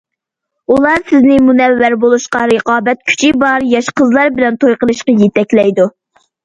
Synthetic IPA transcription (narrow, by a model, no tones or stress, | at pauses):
ulˠɑɾsɪznɪmunɛvːæɾbolˠuʃqɑɾəqɑːbɛt̪̚kʲʰy̥t͡ʃʰibɑɾjɑʃqəzlˠɑɾbɪlɛnt̪ʰojqəlˠɨʃqɑjet̪ʰɛkʲlɛjd̪u